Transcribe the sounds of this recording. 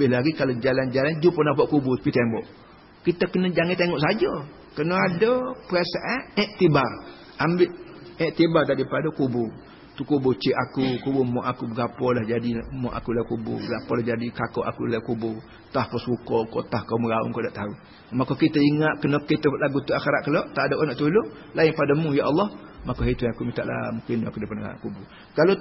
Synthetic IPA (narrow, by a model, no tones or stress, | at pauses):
əbɪhlaɡikalod͡ʒaland͡ʒaland͡ʒuponapaʔkuboə̥pit̪embɔʔ | kit̪əkənəd͡ʒaŋit̪eŋɔʔsad͡ʒo | kənoadopəɾasaʔaʔɛʔ̚t̪ibar | ambɪʔɛʔ̚t̪ibart̪aʔdipadokubo | t̪ukubot͡ʃiʔakukubomɔʔakubəɡapɔlahd͡ʒadimɔʔa̰kulakubṵbəɡapɔlahd͡ʒadikakɔʔakulakubʊ | t̪ahkɔskukɔkɔt̪ahkoməɣaṵŋkɔʔdaʔt̪au | makokit̪əiŋaʔkənɔʔkːit̪əʔlaɡut̪uaxeɾaʔkəlɔʔt̪aʔdoʔkɔnɔʔt̪ulo | laɪŋpadəmujaʔɑlːɔhmakoɦet̪uakumit̪aʔla̰mũkɪnakudəpana̰kubu | kalo